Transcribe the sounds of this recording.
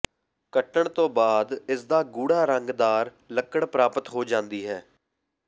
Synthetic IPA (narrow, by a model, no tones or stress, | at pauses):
kəʈəɳt̪õːbaːd̪ɪsd̪aːɡuːɽaːɾəŋɡd̪aːɾ | ləkːəɽpɾaːpət̪ɦoːd͡ʒãːnd̪iːɦɛː